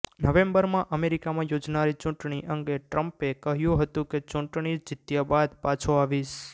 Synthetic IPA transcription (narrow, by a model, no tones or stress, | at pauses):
nəʋẽmbəɾmãʔəmeɾikamãjod͡ʒnaɾit͡ʃʊ̃ʈɳ̃iʔəŋɡeʈɾəmpekəɦjũɦət̪ũket͡ʃũʈɳid͡ʒɪt̪jabad̪pat͡ʃʰoaʋiʃ